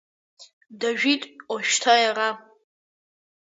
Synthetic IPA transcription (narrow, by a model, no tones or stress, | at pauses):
daʒᶣitʼoʃᶣtʰajara